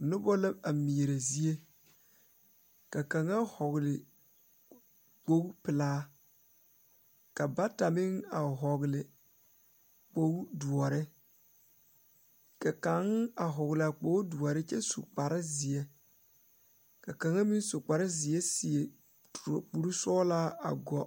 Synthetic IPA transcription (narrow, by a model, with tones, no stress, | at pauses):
nʊ˦bɔ˦la˦a˨mi˨e˨ɾe˨zi˦e˦ | ka˨ka˨ŋa˦hɔ˨ɣlɪ˨ | k͡po˦ɡpɪ˨laː˦ | ka˨ba˦ta˨mɪ˦ŋa˨ɦɔ˨ɣlɪ˨ | k͡po˦ɡu˦du˨ɔ˨ɾɪ˦ | ka˨ka˨ŋa˨ɦɔ˨ɣɪ˨la˨k͡po˦u˦du˨ɔ˨ɾɪ˦t͡ʃɛ˦sṵ˨k͡pa˨ɾɪ˦zɪ˨e˦ | ka˨ka˨ŋa˦mi˦n˦su˨k͡pa˨ɾɪ˦zɪ˨e˦si˨e˨ | tɾk͡pu˦ɾu˦sɔː˦laː˦a̰˨ɡɔ˨